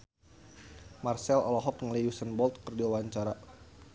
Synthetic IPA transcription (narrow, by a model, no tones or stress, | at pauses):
marsɛlɔlɔɦɔt̪̚ŋəliusənbɔlt̪̚kərdiwawaɲt͡ʃaɾa